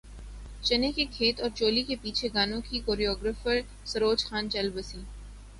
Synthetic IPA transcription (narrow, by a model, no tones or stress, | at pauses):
t͡ʃɐnekekʰeːt̪ɔːɾt͡ʃoːlikepiːt͡ʃʰeɡaːnõkikoːɾiɔːɡɾəfəɾ | sɐɾoːd͡ʒxaːnt͡ʃɐlbəsiː